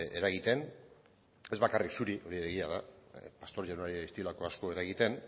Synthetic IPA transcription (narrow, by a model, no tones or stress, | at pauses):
e̞ɾaɣ̞it̪e̞n | e̞zβakariksuɾiʔo̞ɾieɾeɣiað̞apast̪o̞ɾʝanaɾiaist̪iolako̞asko̞e̞ɾaɣit̪e̞n